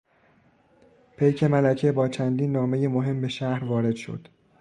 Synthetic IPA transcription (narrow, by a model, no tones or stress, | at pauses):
pʰejcʰe̞mælæcʰebɒːt͡ʃʰænd̪iːnːɒːme̞jemoɦe̞mbe̞ʃæhɾvɒːɾe̞d̪̥ʃo̰d̪̥